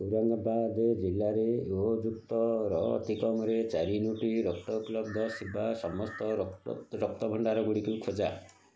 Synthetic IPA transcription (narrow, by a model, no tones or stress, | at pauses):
uɾaŋɡɔbad̪ed͡ʒilːaɾeuɔd͡ʒuk̚t̪ɔɾɔ̰t̪ikɔmɔɾet͡ʃaɾinuʈiɾɔk̚t̪ɔuplɔbd̪ʱɔsibasɔmɔst̪ɔɾɔɾɔk̚t̪ɔbʱɔɳɖaɾɔɡuɽikukʰod͡ʒa